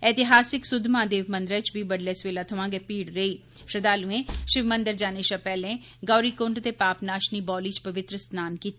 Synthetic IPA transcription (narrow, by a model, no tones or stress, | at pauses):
ɛːt̪ɪɦaːsɪksʊd̪ʱmãːd̪eːʋmə̃nd̪ɾɛ̃ːt͡ʃbʱiːbəɖlɛːsʋeːlaːt̪ʰəʋãːɡeːpiːɽɾəiː | ʃɾəd̪aːluẽːʃɪʋmənd̪əɾd͡ʒaːneːʃapɛːlẽː | ɡɔːɾiːkʊɳɖt̪eːpaːpnaːʃniːbɔːliːt͡ʃpəʋɪt̪ɾəsnaːnkiːt̪